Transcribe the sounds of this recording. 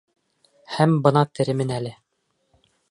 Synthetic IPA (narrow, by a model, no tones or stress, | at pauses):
hæmbɤ̆nɑt̪ɘ̆ɾɘ̆mɘnælɘ